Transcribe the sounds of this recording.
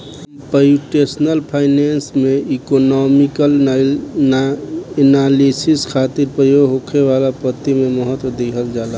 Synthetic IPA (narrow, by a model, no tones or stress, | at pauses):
pəjuʈesnəlpʰaɪnensmeikonɔmikəl | nalisiskʰat̪iɾpɾəjoɡʱɦokʰeβalapət̪imeməɦət̪wəd̪ekʰəld͡ʒala